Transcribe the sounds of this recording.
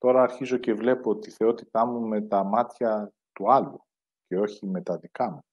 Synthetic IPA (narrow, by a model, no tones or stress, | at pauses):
t̪o̞ɾɐːɾçizo̞ce̞vle̞pot̪iθe̞o̞t̪it̪ɐmume̞t̪ɐmɐt̪çɐ | t̪uɐlu | ce̞o̞çime̞t̪ɐðikɐmu